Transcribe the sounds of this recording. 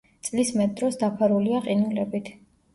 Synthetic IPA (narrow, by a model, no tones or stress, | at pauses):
t̪sʼlismɛt̪̚d̪ɾɔsd̪apʰaɾuliaqʼinulɛbit̪ʰ